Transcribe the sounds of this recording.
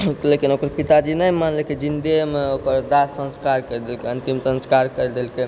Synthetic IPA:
lekinokəɾpit̪ad͡ʒinəjmanlekid͡ʒind̪emeokəɾd̪asːə̃nskaɾkəɾd̪elkeənt̪imsə̃nskaɾkəd̪elke

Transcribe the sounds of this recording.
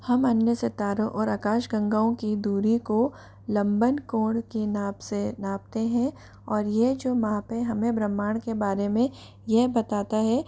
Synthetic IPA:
hɐmɐnjəset̪aːɾõʔɔːɾɐkaːʃɡɐ̃ŋɡaːõkid̪uːɾiko | lɐ̃mbənkõːɽkinaːpsenaːp̚t̪eɦɛ̃ | ɔːɾjed͡ʒoːmaːpɦɛ̃ɦɐmẽbɾɐmːaːɽ̃kebaːɾemẽ | jɛɦbɐt̪aːt̪aɦɛ

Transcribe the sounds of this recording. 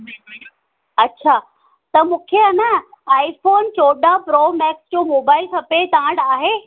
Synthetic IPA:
ɐtːɕʰaː | t̪ɐmũːkʰeanɐaːifoːnt͡ɕoːɗapɾoːmɛːksd͡ʑoːmoːbaːɪlsʰɐpet̪aãɽaːɦeː

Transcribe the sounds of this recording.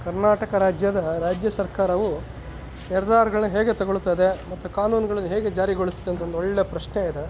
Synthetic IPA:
kɐɾnaːʈɐkɐɾaːd͡ʒjɐd̪ɐɾaːd͡ʒjɐsɐɾkaːɾɐʋu | nɛɾɐd̪aːɾɐɡɐɭɐnːuɦeːɡe̞t̪ɐɡoɭut̪ːajd̪e̞mɐt̪ːukaːnuːnɡɐɭɐnːuɦeːɡe̞d͡ʒaːɾiɡoɭisi̥d̪ɐnt̪ʰɐond̪uoɭːepɾɐʃneid̪e

